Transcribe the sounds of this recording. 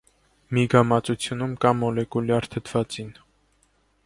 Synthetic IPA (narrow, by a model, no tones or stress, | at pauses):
miɡɑmɑt͡sut͡sʰjunumkɑmɔlɛkuljɑɾt̪ʰət̪ʰv̥ɑt͡sin